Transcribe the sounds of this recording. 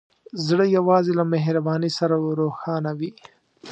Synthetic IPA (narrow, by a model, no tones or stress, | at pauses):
zɽəjawɑːzelameɦɾabɑːnisaɾaɾoxɑːnawi